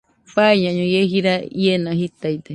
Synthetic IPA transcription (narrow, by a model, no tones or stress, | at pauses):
paiɲãɲõjeɦiɾajenaɦit̪ajt̪e